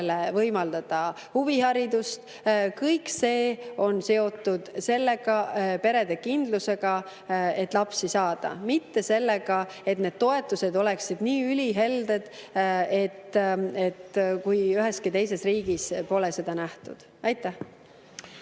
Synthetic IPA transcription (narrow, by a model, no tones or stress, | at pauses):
levɤjmɑld̪̥ɑd̪̥ɑ | huvihɑɾid̪ust̪ | kɤjkse̞ːo̞nse̞o̞t̪ːˑud̪̥se̞lːe̞ɡ̥ɑpe̞ɾe̞d̪e̞kind̪̥luse̞ɡ̥ɑ | e̞t̪ːˑlɑpsisɑːd̪̥ɑ̰mit̪ːe̞se̞lːe̞ɡ̥ɑ | e̞t̪ne̞d̪̥̚t̪o̞e̞t̪ːˑuse̞d̪o̞le̞ksid̪̥niːylʲiɦe̞ld̪e̞d̪̥e̞t̪ːe̞t̪kujyɦeskit̪e̞jse̞sriːɡ̥ispo̞lese̞d̪̥ɑnæht̪ṵd̪̥ | ɑjt̪ːˑæh